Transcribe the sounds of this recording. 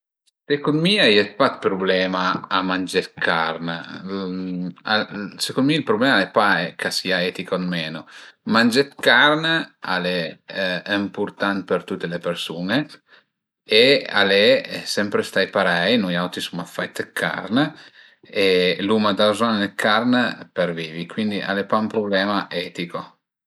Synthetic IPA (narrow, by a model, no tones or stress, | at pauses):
sekunmiajɛt̪̚pat̪̚pɾublɛːmaːmand͡ʒet̪kʰaɾn | asekonmilpɾublɛmalɛpaɛkʰasiaɛt̪ikonmɛnomand͡ʒet̪karnəa̰le | ɛmpurt̪ant̪pert̪ut̪ːelepersuːne | ea̰lesɛmpɾest̪ajpaɾɛjnojawt̪isumːafajt̪kʰa̰rnə | elumad̪azɔnanekʰarnperviːvikwind̪iʔa̰lepampɾoblɛːmaʔɛt̪iko